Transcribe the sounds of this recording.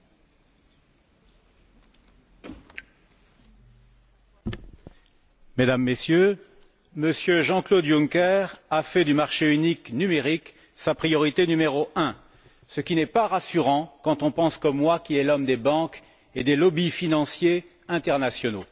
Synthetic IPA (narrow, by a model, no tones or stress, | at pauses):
med̪amːesjø | məsjøʒɑ̃klod̪juŋkɛʁafɛd̪ymaʁʃeyniknymeʁik | sapχijɔʁit̪enymeʁoʔɛ̃ | səkʲinɛpaʁasyʁɑ̃kɑ̃t̪ɔ̃pɑ̃skɔmːwakʲilɛlɔmd̪ebɑ̃k | ed̪elɔbifinɑ̃sje | ɛ̃t̪ɛʁnasjɔno